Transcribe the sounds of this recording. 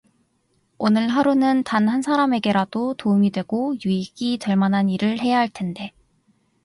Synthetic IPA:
onɯɭɦaɾunɯntanɦansʰaɾame̞ɡe̞ɾadotoumidwe̞ɡojuiɡ̥it͡ɕʌɭmanɦaniɾɯɭhe̞jaɦaɭtʰe̞nde̞

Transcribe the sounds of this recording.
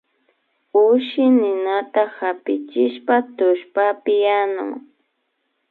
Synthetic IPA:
ʊʃɪnɪnat̪ahapɪt͡ʃɪʃpat̪ʊʃpapɪjanʊ̰ŋ

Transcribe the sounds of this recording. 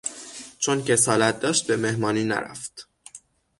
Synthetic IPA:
t͡ʃʰonce̞sɒːlæt̪̚d̪ɒːʃt̪̚be̞me̞hmɒːniːnæ̰ɾæ̰ft̪

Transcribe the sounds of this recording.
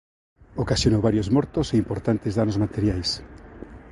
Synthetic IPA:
okasjonowβaɾjozmɔɾt̪oseimpoɾt̪ant̪ezðanozmat̪eɾjajs

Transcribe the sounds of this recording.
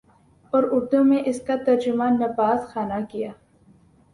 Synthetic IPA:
ɔːɾʊɾd̪umẽʔɪskat̪ɐɾd͡ʒʊmaːnːɐfaːsxaːnakijaː

